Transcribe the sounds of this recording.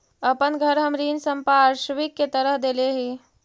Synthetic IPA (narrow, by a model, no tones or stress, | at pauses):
əpənɡʱəɾɦəmɾiːnsəmpaːɾʃʋikːet̪əɾəɦd̪eleɦi